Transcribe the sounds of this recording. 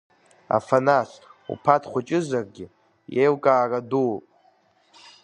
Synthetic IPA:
a̰fanasṵpʰatʰχʷʊt͡ʃʼɪzarɡʲɪ | jejwkʼaːradupʼ

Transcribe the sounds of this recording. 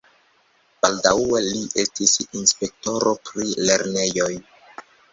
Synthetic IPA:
b̥aldaue̞liʔe̞stisinspe̞k̚to̞ɾʔopɾile̞ɾne̞jo̞j

